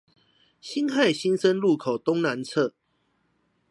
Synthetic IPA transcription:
ɕi˦˥nxa˥˨ɪɕi˦nsə˦nlu˥˨kʰo˨˩ʊt̪ʊ˦ŋna˨˦nt͡sʰə˥˨

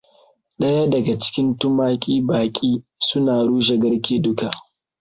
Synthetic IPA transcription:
ɗɐ˦ja˦dɐ˨ɡa˨t͡ʃɪ̥˦kʲɪ˦ntʊ˦maː˦kʲʼiː˦baː˨kʲʼiː˦sʊ˦naː˨ɽuː˦ʒa˨ɡɐ˦rkʲeː˨dʊ˦ka˨ʔ

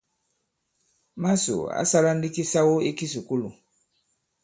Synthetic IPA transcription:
ma˦sṵ˨a̰˦sa˦la˦n̩˦di˦ki˦sa˦wo˦e˦ki˦s̬u˨ku˦lṵ˨

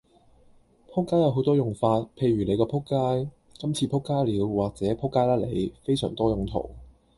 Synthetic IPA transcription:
pʰʊ˥kːaː˥jɐ˨˧wɦo˨˥wt̪ɔː˥jʊ˨˩ŋfaː˧t̚pʰe˧jɥyː˨˩le˨˧jkɔː˧pʰʊ˥kːaː˥j | kɐ˥mt͡sʰiː˧pʰʊ˥kːaː˥jliː˨˧wwaː˨k̚t͡sɛː˨˦˥pʰʊ˥kːaː˥jlaː˥le˨˧jfe˥jsœː˨˩ŋt̪ɔː˥jʊ˨ŋt̪ʰo̰˨˩w

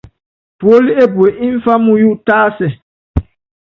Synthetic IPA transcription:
pu˨o˦li˦e˦bu˨e˨ʔi˦ɱ˦fa˦mũ˦ju˦ʔtaː˦sɛ˨

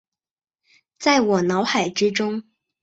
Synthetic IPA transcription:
t͡sa˥˩ɪwɔ˨˩nɑ˧˥ʊxa˨˩ɪʈ͡ʂɻ̩˥ʈ͡ʂʊ˥ŋ

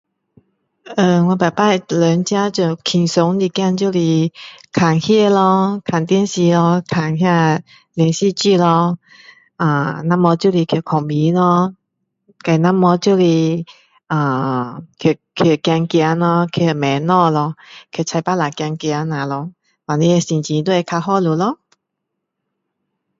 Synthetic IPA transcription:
ə˧˩ŋwã˧ba˨˩jpa˥˧˨lə˨˦nt͡ɕja˦t͡ɕu˧˩kʰi˨˩ŋso˨˦ŋli˧kja˥˧nt͡ɕju˥˧˨li˧kʰa˨˩ŋhjɛ˥˧lɔ˧kʰa˨˩nt̪ji˥˨nɕi˧lɔ˧kʰa˨˩ŋhja˥˧ | ljɛ˧˦ŋɕi˥˧t͡ɕi˥˧lɔ˧ | ʔa˨˩nã˧˥mɔ˧˦t͡ɕju˥˧˨li˧kʰji˧˩kʰɔ˨˩ŋbi˨˦lɔ˧ | ka˧˩˨na˥mːɔ˧˦t͡ɕu˥˧˨li˧ | ʔã˨˩kʰjo˨˩kʰo˨˩kja˧ŋkja˧˦nlɔ˧kʰi˧˨˩mɛ˨˦nɔ˧˨lɔ˧kʰo˨˩t͡sʰa˧jpa˦˥la˨˩kja˧ŋkja˧˦nã˨lɔ˧ | wa˨˩li˧˦e˧si˧nt͡ɕĩ˧t̪u˥˦ɛ˧kʰa˧ɦɔ˥˧lu˨˦lɔ˧˦

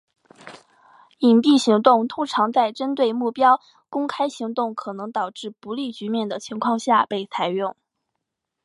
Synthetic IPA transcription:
i˨˩npi˥˩ɕi˧˥ŋt̪ʊ˥˩ŋt̪ʰʊ˥ŋʈ͡ʂʰɑ˧˥ŋt͡sa˥˩ɪʈ͡ʂə˥nt̪we˥˧ɪmu˥˩pjɑ˥ʊ | kʊ˥ŋkʰa˥ɪɕi˧˥ŋt̪ʊ˥˩ŋkʰɤ˨˩nɤ˧˥ŋt̪ɑ˨˩ʊʈ͡ʂɻ̩˥˩pu˧˥li˥˩t͡ɕy˧˥mjɛ˥˩nd̪ə˩t͡ɕʰi˧˥ŋkʰwɑ˥˧ŋɕja˥˧pe˥˩ɪt͡sʰa˨˩ɪɥʊ˥˩ŋ

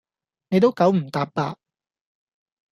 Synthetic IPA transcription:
ne˨jt̪o˥wkɐ˨˥wm̩˨˩t̪aː˨˧p̚paː˧

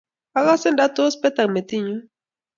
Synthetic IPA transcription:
a˦la˦sɪ˦nda˦to˦spɛ˦t̪a˨me˨t̪i˦ɲu˦

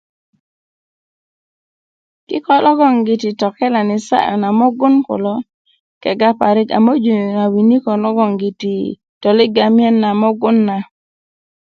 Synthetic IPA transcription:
kɪ˦kɔ˦lʔɔ˦ɡɔ˦˨ŋɡɪ˨tɪ˨tɔ˨kɛ˦la˨nɪ˨sa̰˦ʔɔ̰˨na˨mɔ˦ɡʊ˦nkʊ̰˨lɔ˦ | kɛ̰˨ɡa˦pa˨ɾɪ˦ka̰˨mo˦d͡ʒo˨a˨wi˨ni˦kɔ˨lɔ˦ɡɔ˨ŋɡɪ˨ti˨ | tɔ˨lɪ˦ɡa˨mɪ˦ɛ˦nːa˨mɔ˦ɡʊ˦nːa˨

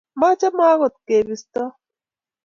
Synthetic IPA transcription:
ma˦t͡ʃa˦maː˦ɣo˨t̪̚ke˨bi˨st̪ɔ˦

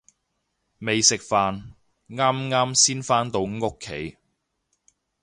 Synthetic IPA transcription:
me˨jsɪ˨k̚faː˨n | ŋaː˥mŋaː˥msiː˥nfaː˥nt̪o˨˧wŋo˥kʰːḛ˨˥j

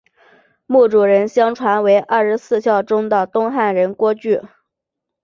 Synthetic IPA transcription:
mu˥˩ʈ͡ʂu˨˩ɻə˧˥nɕjɑ˥ŋʈ͡ʂʰwa˧˥nwe˧˥ɪʔa˞˥˩ʂɻ̩˧˥sɹ̩˥˧ɕjɑ˥˩ʊʈ͡ʂʊ˥ŋd̪ə˨t̪ʊ˥ŋxa˥˩nɻə˧˥nkwɔ˥t͡ɕy˥˩

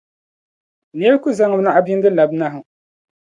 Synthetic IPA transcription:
n˨˦ɛ˦lku˦za˦ŋɨ˦na˦ʔa˦bi˦n˦dɨ˦la˨bna˦ɦɨ˨˦

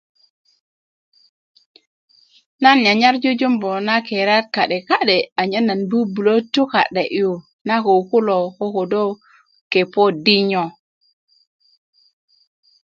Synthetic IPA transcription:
na˦nɲa˨ɲa˦ɾd͡ʒo˦d͡ʒu˦mbo˨na˦ke˨ɾa˦t̚ka˨ɗe˨ka˦ɗe˨a˨ɲə˦na˨nbu˦bu˨lo˦tu˦ka̰˨ɗe˨ʔju˨ | na˦ko˨ku˦lo˨ko˦ko˨do˦ | ke˨po˦di˦ɲo˨

